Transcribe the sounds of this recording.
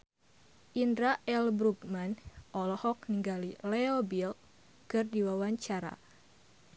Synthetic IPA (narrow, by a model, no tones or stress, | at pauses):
ʔindɾaʔɛlbɾuɡmanɔlɔhɔk̚niŋɡalilɛobil | kɨrdiwawaɲt͡ʃaɾa̰